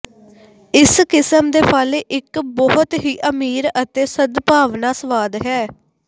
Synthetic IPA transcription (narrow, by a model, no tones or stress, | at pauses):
ɪskɪsəmd̪eːpʰaːleːʔɪkbɔɦʊt̪ɦiːʔəmiːɾət̪eːsəd̪paːʋnaːsəʋaːd̪ɦɛː